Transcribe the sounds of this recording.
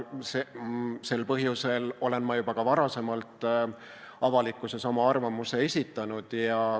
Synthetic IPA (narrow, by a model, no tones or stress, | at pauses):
sese̞lpɤɦjuse̞lo̞le̞nmɑjubɑkɑvɑɾɑse̞mɑlt̪ːˑ | ɑvɑlikːˑuse̞sɑmɑɑrvɑmuse̞e̞sʲit̪ːˑɑnud̪̥jɑ